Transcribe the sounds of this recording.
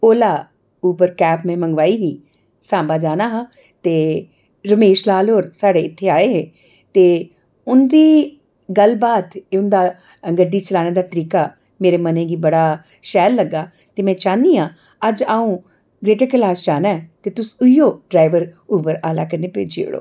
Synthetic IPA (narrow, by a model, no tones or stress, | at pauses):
oːlaː | uːbəɾkɛːpmẽːməŋɡʋaːiːɦiː | sãːbaːd͡ʒaːnaːɦãː | t̪eː | ɾəmeːʃlaːlɦoːɾsaːɽeːɪt̪ʰːeːaːeːɦeː | t̪eː | ʊnd̪iː | ɡəlbaːt̪eːʊnd̪aː | əŋɡəɖːiːt͡ʃəlaːneːd̪aːt̪əɾiːkaː | meːɾeːmənẽːɡiːbəɽaː | ʃɛːlːəɡːaː | t̪eːmɛ̃ːt͡ʃãːnd̪iːãː | əd͡ʒaːũː | ɡɾeːʈekəlaːst͡ʃaːnaːɛt̪eːt̪ʊsʊijoːɖɾaːɪʋəɾuːbəɾaːlaːkəɾneːpɾḛːd͡ʒḛːʊ̰ɽo̰ː